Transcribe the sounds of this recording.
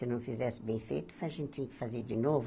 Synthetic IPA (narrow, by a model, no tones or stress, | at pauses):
ɪnɐ̃w̃fizɛsɪbẽj̃fḛjt̪ʊ̥vajɐʒẽnt̪̚t̪ẽj̃kɪ̥fazeɾd͡ʒinov